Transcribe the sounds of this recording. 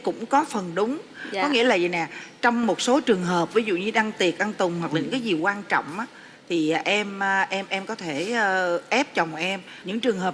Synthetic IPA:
kʊ̰˧˥ŋ͡mkɔ˨˦fə˨˩nɗʊ˨˦ŋ͡mkːɔ˨˦ŋḭ˧˥əlaː˨˩zi˨˩nɛ˨˩t͡ɕɔ˧wŋ͡mmo˨˩t̚so˨˦t͡ɕɨ˨˩əŋɦəː˨˩p̚vi˨˦zṵ˧˨ɲɨ˧ɗa˧ŋt̪i˨˩ət̚ʔa˧ŋt̪ʊ˨˩ŋ͡mhwa˨˩k̚la˨ɲɨ˧˥ŋkaː˨˦zi˨˩kwaː˧nt͡ɕɔ̰˧˨wŋ͡mʔaː˨˦ | t̪ʰi˨˩˨ʔɛ˧mː˧ʔɛ˧mʔɛ˧mkɔ˨˦t̪ʰeː˧˩˧ʔɛ˦˥p̚t͡ɕə˨˩wŋ͡mʔɛ˧m | ɲɨ̰˧˥ŋt͡ɕɨ˨˩əŋɦəː˨˩p

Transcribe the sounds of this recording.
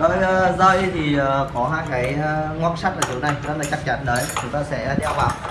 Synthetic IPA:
ɗo˧˦jəː˧zəː˧jt̪ʰi˨˩əː˨˩kɔ˨˦ɦaː˧jkaː˨˦jŋɔ˧˥k̚sa˦˥t̚ʔəː˨˩t̪i˨˦wna˨˩jzə˨˦nlaː˨˩t͡ɕa˦˥k̚t͡ɕa˨˦nɗəː˨˦jt͡ɕʊ˨˦ŋ͡mt̪aː˧sɛ̰˧˥˧ɗɛ˧wvaː˨˩w

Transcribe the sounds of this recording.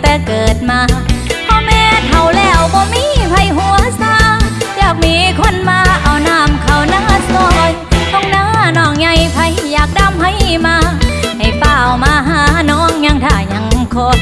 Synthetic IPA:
t̪ɛː˨˧˩kɤː˨˩t̪̚maː˧pʰɔː˧˥mɛː˧˥t̪ʰa˨˩wlɛː˧˩wbɔː˧miː˧˥pʰa˧˩jɦu˧˦əsaː˧˥jaː˨˩k̚miː˧˥kʰo˧˥˨nmaː˧ʔa˨˩wnaː˧˩mkʰa˨˩wnaː˧˥˩sɔː˧˩jhɔ˧˥ŋnaː˧˥nɔː˧˩ŋɲa˧˩jpʰa˧jːaː˨˩k̚da˧˥˨mha˧˥˩jmaː˧ha˨˩jpaː˧˩wmaː˧˥ɦaː˧˩˧nɔː˧˥˨ŋɲa˧ŋt̪ʰaː˧˩ɲa˨˧˦ŋkʰo˧

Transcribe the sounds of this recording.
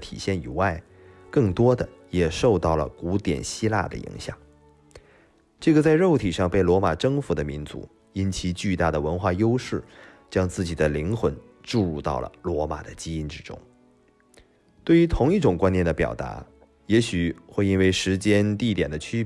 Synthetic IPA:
t̪ʰḭ˨˩ɕjɛ˥˩ni˨˩wa˥˩ɪ | kɤ˥˩ŋt̪wɔ˥d̪ə˨ | jɛ˨˩ʂo˥˧ʊt̪ɑ˥˩ʊlə̰˩ku˧˥t̪jɛ̰˨˩nɕi˥la̰˥˩d̪ə̰˩ḭ˧˥ŋɕjɑ̰˨˩˦ŋ | ʈ͡ʂɤ˥˩ɡə˩t͡sa˥˧ɪɻo˥˩ʊt̪ʰi˨˩ʂɑ˥˧ŋpe˥˩ɪlwɔ˧˥ma˨˩ʈ͡ʂɤ˥ŋfu˧˥d̪ə˧mi˧˥nt͡sṵ˧˥ | i˥nt͡ɕʰi˧˥t͡ɕy˥˧t̪a˥˩d̪ə˩wə˧˥nxwa˥˩jo˥ʊʂɻ̩˥˩t͡ɕjɑ˥ŋt͡sɹ̩˥˩t͡ɕi˨˩d̪ə˦li˧˥ŋxwə˧˥n | ʈ͡ʂu˥˧ɻu˥˧t̪ɑ̰˥˩ʊlə̰˩lwɔ˧˥ma̰˨˩d̪ə˦t͡ɕi˥i˥nʈ͡ʂɻ̩˥ʈ͡ʂʊ̰˥ŋ | t̪we˥˩ɪy˧˥t̪ʰʊ˧˥ŋi˥˩ʈ͡ʂʊ˨˩ŋkwa˥njɛ˥˩nd̪ə˦pjɑ̰˨˩ʊt̪a̰˧˥ | jɛ˧˥ɕy˨˩xwe˥˧ɪi˥nwe˥˩ɪʂɻ̩˧˥t͡ɕjɛ˥nt̪i˥˩t̪jɛ˨˩nd̪ə˦t͡ɕʰy˥

